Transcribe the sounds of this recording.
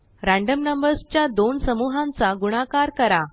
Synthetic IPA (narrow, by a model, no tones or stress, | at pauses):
ɾãɳɖəmnəmbəɾst͡ɕjad̪onsəmuɦãnt͡saɡuɽ̃akaɾkəɾa